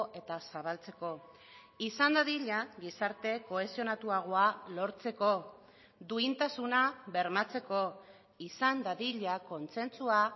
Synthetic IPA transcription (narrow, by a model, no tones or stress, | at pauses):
ʔe̞t̪asaβ̞alt͡se̞ko̞ | isand̪aðiʎaɣisaɾt̪e̞ko̞e̞sio̞nat̪uaɣ̞oalo̞ɾt͡se̞ko̞ | d̪uint̪asunaβe̞ɾmat͡se̞ko̞ | isand̪aðiʎako̞nt͡se̞nt͡sua